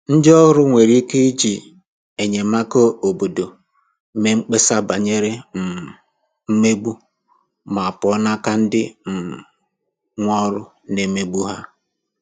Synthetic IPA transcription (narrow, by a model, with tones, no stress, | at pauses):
n̩˦dɪ˦ɔ˦ɣʊ˦ɾʊ˦ŋʷe˨ɾi˦ke˦i˦d͡ʒi˨ | e˨ɲe˨ma˦ko˦o˨bo˨do˨ | me˦ŋ͡m̩˦k͡pe˦sa˦ba˨ɲe˦ɾe˦m̩˨ | m̩˦me˦ɡ͡bu˦ | ma˨a˨pɔ˦na˦ka˦n̩˦dɪ˦m̩˨ | ŋʷɔ˦ɾʊ˦ | ne˨˦me˦ɡ͡bu˦ɦa˦